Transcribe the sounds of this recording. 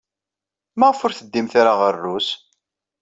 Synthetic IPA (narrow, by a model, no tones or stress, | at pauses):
mæʁəfʊɾθəd̪ːimθaɾaʁərːus